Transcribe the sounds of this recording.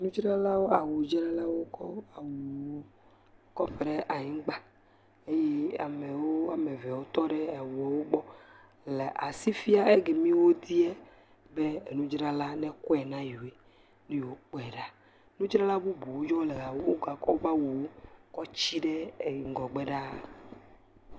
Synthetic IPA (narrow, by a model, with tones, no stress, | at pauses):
nũ˦d͡ʒɾa˦la˦wo˦a˨wu˨d͡ʒɛ˦ɾɛ˦la˦wo˦kɔ˦a˨wu˨˦ | kɔ˦fɛ˨ɖɛ˦ʔa˨ɲĩ˦ɡ͡ba˦ | e˦je˦a̰˨mɛ˨wo˦a˦mɛ˨vɛ˨wo˦t̪ɔ˦ɖɛ˦ɛ˨wu˨ɛ˨wo˦ɡ͡bɔ˦ | lɛ˨ʔa˨si˦fi˦a˦ɛ˦ɡe˨mĩ˦wo˦d̪i˦ɛ˦ | be˦˨nũ˦d͡ʒɾa˦la˦nɛ̃˦ko˦ɛ˨nã˦ju˨e˨ | ni˦wo˨k͡pɛ˨ɖa˨ | nũ˦d͡ʒɾa˦la˦bu˦bu˨wo˦d͡ʒɔ˦lɛ˨ɣa˨wo˦wo˦ɡa˨kɔ˦va˦wu˨wo˦kɔ˦t͡ɕi˦ɖe˦˨i˨ŋ̩˨ɡɔ˨ɡ͡bɛ˦ɖa˦